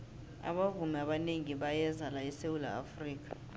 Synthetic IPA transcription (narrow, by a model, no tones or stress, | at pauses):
a̰ɓavumɛaɓaneŋiɓajɛzalaɛsewula̰ːfriːk̬ʰʼḁ